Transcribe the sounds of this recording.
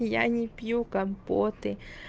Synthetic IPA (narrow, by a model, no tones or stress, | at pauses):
ja̰ɲĩpjukampot̪e